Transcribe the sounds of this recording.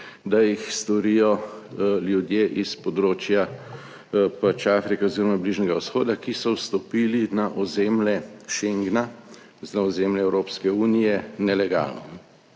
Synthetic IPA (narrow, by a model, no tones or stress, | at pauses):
d̪ajixst̪ɔɾijɔ | ljud̪jeːʔispɔd̪ɾoːt͡ʃja | pat͡ʃaːfɾikɛoziːɾɔmabliʒnɛɡausxoːd̪akisɔwst̪ɔpiːlinaʔɔzeːmlɛʃeŋɡna | znaɔzeːmlɛɛwɾoːpskɛuːnijɛnɛlɛɡa̰lnɔ̰